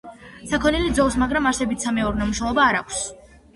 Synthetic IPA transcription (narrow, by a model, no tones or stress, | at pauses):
sakʰɔnilid̪zɔlˠsmaɡɾamaɾsɛbit̪ʰsamɛɔɾnamuʃɛlˠɔbaːɾa̰kʷʰs